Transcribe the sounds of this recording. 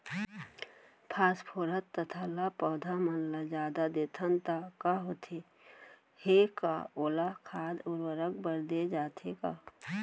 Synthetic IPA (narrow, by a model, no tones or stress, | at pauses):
pʰaːspʰoːɾət̪ːət̪ʰalapɔːd̪ʱamənlad͡ʒaːd̪ad̪et̪ʰənt̪akaɦot̪ʰe | heka̰oːlakʰaːd̪ʊɾwəɾək̚bəɾd̪ed͡ʒaːt̪ʰekaː